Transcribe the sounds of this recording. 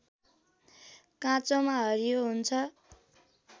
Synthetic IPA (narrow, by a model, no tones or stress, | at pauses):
kãt͡somaɦʌɾijoɦunt͡sʰʌ